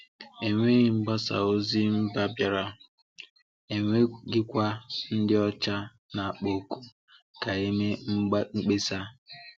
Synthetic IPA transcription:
e˨ŋʷe˦ɣi˨ŋ͡m̩˦ɡ͡ba˦sa̰˨o˦zi˦m̩˦ba˦bja˨ɾa˦ | e˨ŋʷe˦ɡɪ˦kʷa˦n̩˦dɪ˦ɔ˦t͡ʃa˦ | na˨a˨k͡po˨ku˦ | ka˨e˦me˦ŋ͡m̩˦ŋ͡m̩˦k͡pe˦sa˦

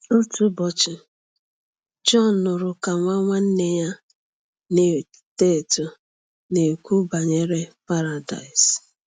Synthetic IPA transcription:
o˦tu˦bɔ˨t͡ʃɪ˨ | d͡ʒɔ˦˨nːʊ˨ɾʊ˨ka˨ŋʷa˦ŋʷa˦n̩˦ne˦ja˦ | ne˨ | te˦˨tʊ˨ | ne˨kʷu˦ba˨ɲe˦ɾe˦pa˦ɾa˨da̰˨ɪ˨s

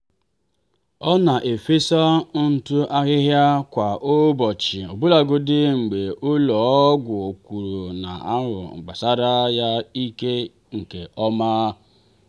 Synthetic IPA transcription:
ɔ˦na˨ʔe˨fe˦sa˦n̩˨tʊ˦ʔa˦ɣɪ˦ɦja˦kʷa˨ʔo˦bɔ˨t͡ʃɪ˨o˨bʊ˦la˨ɡʊ˦dɪ˦ŋ͡m̩˨ɡ͡be˨ʔʊ˦lɔ˨˦ɡʷʊ˨o˨kʷu˨ɾu˨na̰˨a˦ɦʊ̰˨ɡ͡ba˨sa˦ɾa˦ja˦i˦ke˦ | ŋ̩˨ke˨ʔɔ˦maː˦

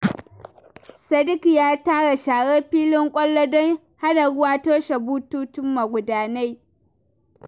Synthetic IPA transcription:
sɐ˦dɪ˦ki˨jaː˦taː˦ɽa˨ʃaː˨ɽeː˦ɸiː˦lɪ˦ŋkʷʼɐ˦lːo˦dɔ˦ŋ | ha˦da˨ɽʊ˦waː˦toː˦ʃa˨bu˦tuː˦tʊ˦mːa˨ɡʷʊ˨daː˦na˦j

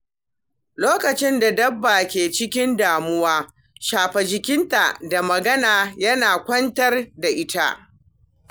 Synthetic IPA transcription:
loː˦kɐ˨t͡ʃɪ˦nda˨dɐ˦bːa˨kʲeː˨t͡ʃɪ˦kʲɪ˦ndaː˨mʊ˦waː˦ | ʃaː˨ɸɛ˨d͡ʒɪ˨kʲɪ˦nta˨da˨mɐ˨ɡɐ˦naː˨jɐ˦naː˨kʷɐ˦ntɐ˦rda˨ʔɪ˦ta̰˦ʔ

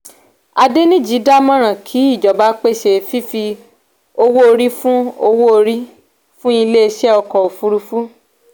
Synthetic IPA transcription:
a˧de˦nĩ˦d͡ʒi˨˦da˦mɔ̃˦ɾ̃ã˨kʰi˨˦i˦˨d͡ʒɔ˨ba˨˦k͡pe˦˨ʃe˧fi˦fi˧ | o˧wo˦o˧ɾi˦fũ˦o˧wo˦o˧ɾi˦ | fũ˦i˧le˦e˧ʃɛ˦ɔ˧kɔ˨o˨fu˧ɾu˧fu˦

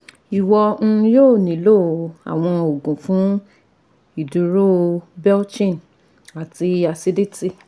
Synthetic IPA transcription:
i˨wɔ˧n̩˦˧joː˦˨nĩ˨˦lo˦˨a̰˨w̃ɔ̃˧o˨ɡũ˨fũ˨˦ | i˦˨du˨ɾo˦bɛ˦t͡ʃĩ˦˨n | a˨ti˧a˧si˧di˦ti˦˨

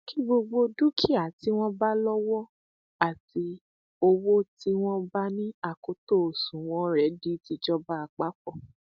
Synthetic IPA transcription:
ki˦ɡ͡bo˧ɡ͡bo˧du˦kʰi˦a˦˨ti˨˦w̃ɔ̃˦ba˦lɔ˦wɔ˦ | a˨ti˧ | o˧wo˦ti˦w̃ɔ̃˦ba˦nĩ˦a˨ko˧˦to˦˨o˨sũ˨w̃ɔ̃˨˦ɾɛ˨˦di˦ti˧d͡ʒɔ˦ba˦a˨k͡pa˨˦k͡pɔ˦˨

